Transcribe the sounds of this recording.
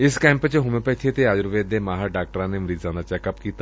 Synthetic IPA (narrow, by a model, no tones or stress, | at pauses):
ɪskɛ̃ːmpət͡ʃeɦʊmẽpɐjt̪ʰiet̪eaːd͡ʒʊɾʋeːd̪emaːɦaɖaːk̚ʈəɾãneməɾiːzãːnd̪at͡ʃɛːkəpkiːt̪a